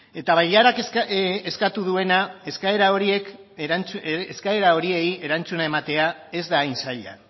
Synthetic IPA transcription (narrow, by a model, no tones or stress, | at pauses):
e̞t̪aβajʎaɾakeskat̪uðue̞nae̞skaeɾao̞ɾie̞k | eskae̞ɾao̞ɾie̞je̞ɾant͡sunae̞mat̪e̞ae̞zd̪aːjnsaʎa̰